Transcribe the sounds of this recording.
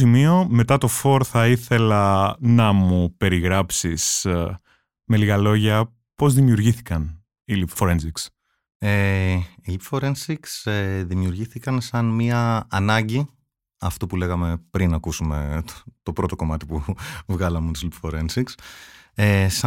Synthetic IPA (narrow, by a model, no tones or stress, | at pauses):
imio̞me̞t̪ɐt̪o̞fo̞ɾθɐiθe̞lɐnɐmupe̞ɾiɣɾɐpsis | me̞liɣɐlo̞ʝɐ | po̞zðimiuɾʝiθi̥kɐn | ilipfoɾensiks | eilipfoɾensikseðimiuɾʝiθikɐnsɐnmiɐːnɐɲɟi | ɐft̪upule̞ɣɐme̞pɾinɐkusume̞̰t̪o̞pɾo̞t̪o̞ko̞mɐt̪ipuvɣɐlɐmet̪uslipfoɾensiksesɐ